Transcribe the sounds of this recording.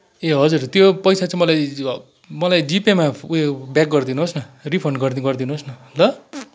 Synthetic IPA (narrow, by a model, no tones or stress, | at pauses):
eɦʌd͡zurt̪jopʌjsat͡sʌĩmʌlaj | mʌlajd͡zipemauebjak̚ɡʌrd̪inuɦosnʌripʰʌɳɖɡʌrd̪iɡʌrd̪inuɦosnʌlʌ